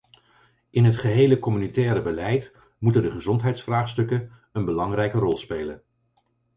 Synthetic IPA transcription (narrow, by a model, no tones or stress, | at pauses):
ɪnɦətχəɦejləkɔmynitɛːɾəbəlɛjt | mutəndəχəzɔntɦɛjtsfraːχstɵkən | ənbəlɑŋrɛjkərɔlˠspejlən